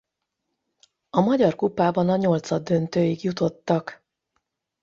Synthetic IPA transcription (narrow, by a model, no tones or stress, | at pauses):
ɒmɒɟɒrkupaːbɒnɒɲo̞lt̪sɒd̪ːø̞nt̪øːiɡjut̪o̞t̪ːɒk